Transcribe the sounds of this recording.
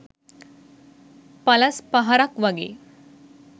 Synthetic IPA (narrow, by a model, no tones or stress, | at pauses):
palaspaɦaɾakʋaɡḛ